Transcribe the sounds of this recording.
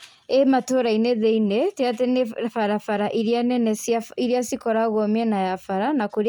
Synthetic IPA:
ematoɾaineðeineteatenefaɾafaɾaʔiɾianɛnɛsiɾiasikɔɾaɣɔmiɛnajafaɾanakoɾ

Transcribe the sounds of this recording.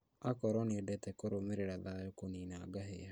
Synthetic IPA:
akɔɾɔniodɛtɛkoɾomeɾeɾaðaːjokoninaɡaɦḛa

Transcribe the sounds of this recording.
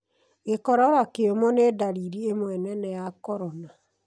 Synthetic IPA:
ekɔɾɔɾakeomɔnedaɾiɾiemwɛnɛnɛjakɔɾɔna

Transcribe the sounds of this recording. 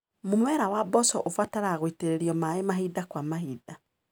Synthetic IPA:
mumwɛɾawabɔsɔʔofwataɾaːɣwiteɾeɾiɔmaemaɦidakwamaɦiːda

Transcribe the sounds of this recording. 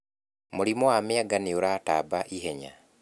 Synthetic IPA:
moɾimɔwamɪaɡaneoɾata̰baʔiɦɛɲa̰

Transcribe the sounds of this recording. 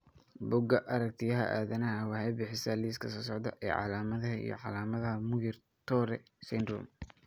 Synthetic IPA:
bʊɡɐʔɐɾɐk̚t̪ʰɪjɐɦɐ̰ʔa̰ːðɐnɐɦɐwɑħɛjbɪħɪsɐliːskʰɐsɔːs̬ɔʕd̪ɐʔɛ̰ːʕɑ̰laːmɐðɐɦɐḭjɞ̰ʕɑlaːmɐðɐɦɐmʊjɪr | t̪ʰɔːɾɛ | sɛnd̪ɾɔ̰m

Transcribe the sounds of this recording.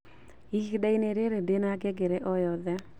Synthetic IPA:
ikdaineɾeɾedenaɡɛɡeɾɛʔɔjɔðɛ

